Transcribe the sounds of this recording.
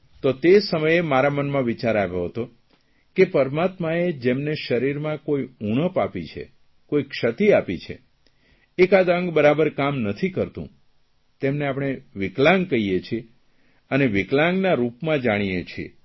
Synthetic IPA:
t̪ot̪esəməjemaɾamənmãʋit͡ʃaɾaʋjoɦət̪o | kepəɾmat̪maed͡ʒemneʃəɾiɾmãkoiuɽ̃əpapit͡ʃʰḛ | koikʃət̪iapit͡ʃʰḛ | ekad̪ə̃ŋɡbəɾabəɾkamnət̪ʰikəɾt̪ṵ̃ | t̪emneapɽ̃eʋɪklãŋɡ̚kəijet͡ʃʰie | əneʋɪklãŋɡnaɾupmãd͡ʒaɽ̃ijet͡ʃʰiḛ

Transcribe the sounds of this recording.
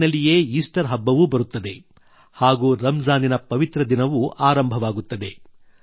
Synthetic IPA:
nɐlije̞ːiːsʈɐɾɦɐbːɐʋubɐɾut̪ːɐd̪e̞ | haːɡuːɾɐmd͡ʒaːninɐpɐʋit̪ɾɐd̪inɐʋuʔaːɾɐmbʱɐʋaːɡut̪ːɐd̪e̞

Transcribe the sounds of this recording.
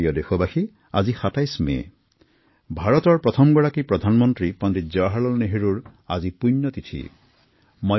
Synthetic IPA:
jɔdexɔbaxi | a̰zixatajsmḛ | bʱaɹɔt̪ɔɹpɹɔt̪ʰɔmɡɔɹakipɹɔd̪ʱanmɔntɹipɔnditzɔɦalɔlneɦeɹuɹa̰zipujnːɔt̪itʰḭ | mɔ

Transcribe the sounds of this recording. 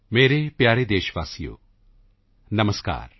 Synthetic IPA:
meːɾepjaːɾed̪eːʃʋaːsijo̰ː | nɐməska̰ːɾ

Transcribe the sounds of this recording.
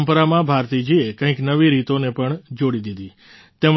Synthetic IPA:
mpɾamãbʱaɾt̪id͡ʒiekə̃ĩknəʋiɾit̪onepəɳd͡ʒoɽid̪id̪i | t̪em

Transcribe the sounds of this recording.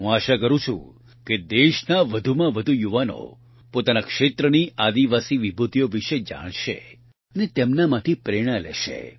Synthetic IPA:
ɦũaʃakəɾũt͡ʃʰṵ̃ | ked̪eʃnaʋəd̪ʱumãʋəd̪ʱujuʋano̰ | pot̪anakʃet̪ɾəniʔad̪iʋasiʋibʱut̪ijoʋiʃed͡ʒa̰ɽ̃ʃḛ | ənet̪emnamãt̪ʰipɾeɽ̃alɛ̰ʃḛ

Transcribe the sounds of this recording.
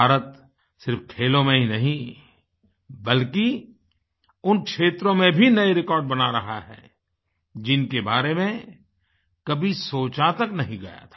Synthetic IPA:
aːɾət̪ | sɪɾfkʰeːlõmẽɦinɐɦĩ | bɐlki | ʊnkʃeːt̪ɾõmẽbʱinɐeɾɪkɔːɾɖ̚bɐnaɾɐɦa̰ɦɛ̰ː | d͡ʒɪnkebaːɾemẽ | kɐbʱisoːt͡ʃaːt̪əknɐɦĩɡɐ̰ja̰t̪ʰḁː

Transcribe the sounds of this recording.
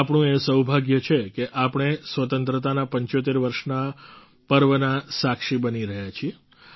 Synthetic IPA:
apɳ̃ũesəwbʱaɡjət͡ʃʰekeʔapɳ̃esʋət̪ənt̪ɾət̪anapəɲt͡ʃot̪eɾʋəɾʃna | pəɾʋənasakʂibəniɾəɦjat͡ʃʰie

